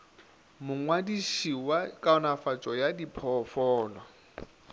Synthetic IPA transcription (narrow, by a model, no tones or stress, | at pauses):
mʊŋwadiʃiwakʼaɔnafat͡ʃʼɔjadipʰɔfɔːlɔ